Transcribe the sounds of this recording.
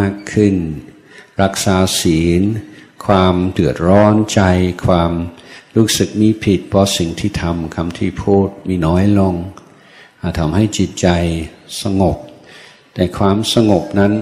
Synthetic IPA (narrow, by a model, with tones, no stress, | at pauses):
aː˥˩kʰːɯ˥˩n | ɾa˦˥k̚saː˨˦siː˩˦nkʰwaː˧mt̪ɯ˨˩ət̪̚ɾɔː˦˥nt͡ɕa˧jkʰwaː˧mɾuː˦˥sɯ˨˩k̚miː˧pʰi˨˩t̪̚pʰɔː˧si˨˩˦ŋt̪ʰiː˥˩t̪ʰa˧mkʰa˧mt̪ʰiː˥˩pʰuː˥˩t̪̚miː˧nɔː˦˥jlo˧ŋ | ʔa˨˩t̪ʰa˧mha˥˩jt͡ɕi˨˩t̪̚t͡ɕa˧jsa˧ŋo˨˩p̚ | t̪ɛː˨˩kʰwaː˧msa˧ŋo˨˩p̚na˦˥n